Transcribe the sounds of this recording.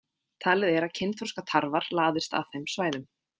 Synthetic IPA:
t̪ʰaːlɪðɛɾacʰɪnt̪ʰɔskat̪ʰaɾvaɾ̥laːðɪ̥st̪a̰ðθejmsvaːjðʏm

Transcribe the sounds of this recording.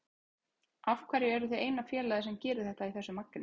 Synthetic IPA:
afkʰvaɾjɪɛɾʏθejeːjnafjɛːlajðɪsɛmcɛːɾʏθɛht̪aiθɛsːʏmakːɪn

